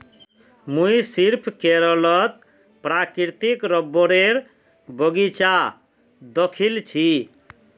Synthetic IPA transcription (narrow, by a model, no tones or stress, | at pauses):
muisiɾpʰkeɾɔlɔt̪ | pɾakiɾt̪ikɾɔbːɔɾeɾ | bɔɡit͡ʃa | d̪ɔkʰilt͡ʃʰi